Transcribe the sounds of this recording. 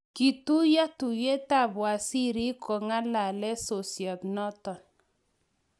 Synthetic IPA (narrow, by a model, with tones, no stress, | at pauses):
ki˨tu˦ja˦tu˨je˦ta˦˨bwa˨si˦ɾi˦kʰɔ˨ŋa˦la˨lɛ˦so˨sjɔ˨tnɔ˦tɔ˨n